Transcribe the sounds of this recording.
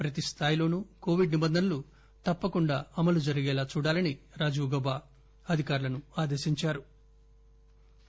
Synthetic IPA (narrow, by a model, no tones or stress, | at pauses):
pɾɐt̪ist̪ʰaːjlo̞ːnuko̞ːʋiɖnibɐnd̪ʱɐnɐlu | t̪ɐpːɐkuɳɖa̰ːɐmɐlud͡ʒɐɾiɡɛːlaːt͡ʃuːɽaːlɐniɾaːd͡ʒuːɡɔːbaː | ɐd̪ʱikaːɾulɐnuaːd̪e̞ːʃiɲt͡ʃaːɾu